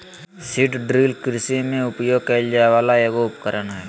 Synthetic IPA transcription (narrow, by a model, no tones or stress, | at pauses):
siʈɖɾiːlkɪɾsimẽʊpjoːɡ̚keld͡ʒaːʋaːlaeːɡoʊpkəɾənɦɛː